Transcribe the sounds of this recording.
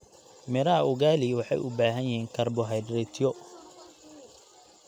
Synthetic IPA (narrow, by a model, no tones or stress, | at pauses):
mɛɾɐʊɣaːlɪwɑħɑ̰jʔʊ̰baːɦɐnjɪɦiːŋkʰɐrbɔɦɛjdrɛt̪ʰjɔ